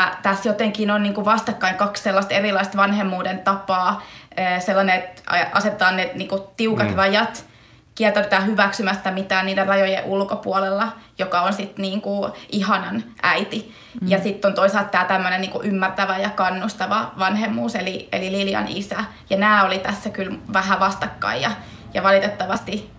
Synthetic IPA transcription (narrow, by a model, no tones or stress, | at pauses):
ɑt̪æsjot̪eŋkinonniːŋkuʋɑst̪ɑkːɑiŋkɑksselːɑst̪erilɑist̪ʋɑnhemːuːdent̪ɑpɑːøːselːɑneet̪ʔɑ̰set̪ːˑɑːnneniːŋkut̪iukɑt̪rɑjɑt̪ | kiɛlt̪æpt̪æːhyʋæksymæst̪æmit̪æːnniːderrɑjojḛʔulkopuolelːɑjokɑonsit̪niːŋkuʔihɑnɑnʔæ̰it̪i | jɑsit̪ːont̪oisɑlt̪t̪æːt̪æmːønenniːŋkuʔymːært̪æʋæjɑkɑnːust̪ɑʋɑʋɑnhemːuːseliḛlililjɑ̰nisæ | jɑnæːolit̪æsːækylʋæhæʋɑst̪ɑkːɑ̰ijɑ | jɑʋɑlit̪et̪ːɑʋɑst̪i